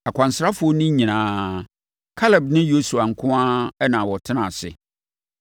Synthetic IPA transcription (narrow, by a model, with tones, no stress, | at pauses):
a˨kʷʰã˨n̩˨sɾa˦fʊ˨˦ɔ˦nʊ̃˦ɲĩ˨nãː˨ | kʰa˦lɛ˨bnɪ̃˦jo˦su˨a˨ŋ̩˨kʰʊ̃˦ã˦ɛ˦nãː˨wɔ˨tʰɪ˦nã˨sɪ̰˨